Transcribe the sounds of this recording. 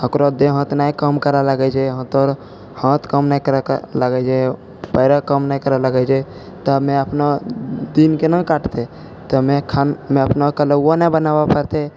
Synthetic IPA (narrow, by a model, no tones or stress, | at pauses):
əkɾod̪eɦə̃ːt̪naikəmkəɾalaɡɛd͡ʒeɦə̃t̪ɔɾ | hãt̪kəmnaikəɾaləɡɛd͡ʒe | pəɾakəmnaikəɾaləɡɛd͡ʒe | t̪əmẽəpnad̪inkenakaʈt̪e | t̪əmẽkʰanmẽəpnakələanəbənabapəɾt̪e